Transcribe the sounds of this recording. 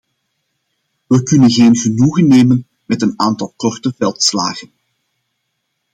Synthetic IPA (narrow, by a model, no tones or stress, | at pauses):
ʋəkɵnənɣeːnɣənuɣənːeːmən | mɛtənaːntɑlˠkɔrtəvɛlˠtsla̰ːɣən